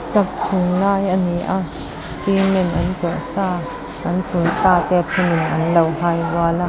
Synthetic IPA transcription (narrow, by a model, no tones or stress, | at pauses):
st͡ɬɐp̚t͡sʰunlaːjʔɐniʔa | simɛnʔɐnt͡sɔʔsaː | ʔɐnt͡sʰunsaːt̪ɛːt͡sʰunɪnʔɐnlɐwhaːjvaːla